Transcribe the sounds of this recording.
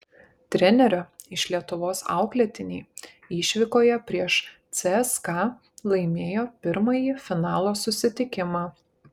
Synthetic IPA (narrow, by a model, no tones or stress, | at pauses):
t̪ʲɾʲɛnʲɛɾʲʊɪʃlʲiɛt̪ʊʋoːsɑ̰ˑʊklʲɛt̪ʲɪnʲiː | iːʃʲʋʲɪkoːjɛpʲɾʲiɛʃt̪sʲɛɛskɑ | lˠɐɪmʲeːjoːpʲɪɾmɐjiːfʲɪnɑːlˠoːsʊsʲɪt̪ʲɪkʲɪmɑː